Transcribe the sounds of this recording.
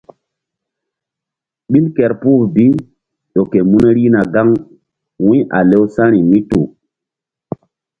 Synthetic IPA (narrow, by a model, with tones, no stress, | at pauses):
ɓi˦lkɛ˨ɾpuː˦bi˦ | ɗo˨ke˨mu˦n˦ɾi˦na˨ɡa˦ŋ | wũ˦ʔa̰˨le˦wsã˦ɾi˨mi˦tu˨